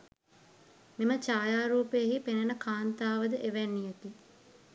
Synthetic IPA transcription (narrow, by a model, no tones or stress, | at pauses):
mimət͡ʃaːjaːɾuːpejəɦipenenəkʰaːnt̪aːʋəd̪əʔeʋænːijək̪i